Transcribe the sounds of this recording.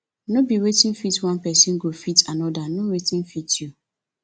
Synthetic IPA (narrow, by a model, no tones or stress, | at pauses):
nobiwetĩnfitwãnpɛsĩnɡofitʰanɔdanowetĩnfitʰju